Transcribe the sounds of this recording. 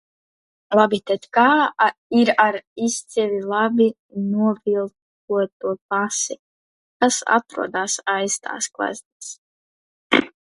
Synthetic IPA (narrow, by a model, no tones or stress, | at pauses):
lˠabit̪ɛt̪ʲkaːiɾaɾist̪sivʲilˠabʲi | nuɔvilˠt | uɔt̪uɔpasi | kasa̰t̪ɾṵɔd̪aːsajst̪a̰ːsklˠa̰zʲnis